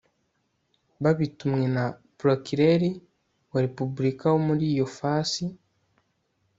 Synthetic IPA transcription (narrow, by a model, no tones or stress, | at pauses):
βaβitumŋe̞napɾokiɾeɾi | waɾepubuɾikawomuɾiːjo̞fasi